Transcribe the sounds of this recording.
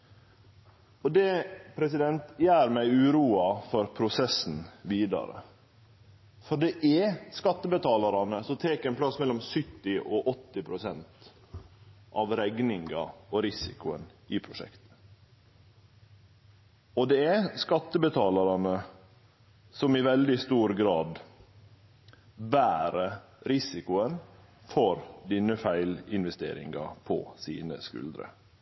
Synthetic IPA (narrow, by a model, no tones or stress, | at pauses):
ɔd̪ɛpʰɾɛsɪd̪ɛnt̪jæːɾmæɪʉːɾuːɑfɔɾpʰɾʊsɛsn̩ʋiːd̪ɑ̰ɾə̰ | fɔɖɛʔɛskɑt̪ːəbət̪ʰɑːlɑɾɑnəsɔt̪ʰeːkɛːnpʰlɑsmɛlːɔmsʏt̪ːɪɔʔɔt̪ːɪpʰɾʊsɛnt̪ | ʔɑʋɾɛɡnɪŋɡɑ̰ɔɾɪsɪ̰kʊə̰nɪpʰɾʊʂɛ̰kt̪ə̥ | ɔd̪ɛæskɑt̪ːəbət̪ʰɑːlɑɾɑnə | sɔmɪʋɛld̪ɪst̪uːɾɡɾɑːd̪ | bæːɾə | ɾɪsɪkʊən | fɔɾd̪inəfæɪlɪnʋɛst̪ḛːɾɪ̰ŋɡɑ̰pʰɔ̰sḭːnə̰skʉ̰ld̪ɾə̰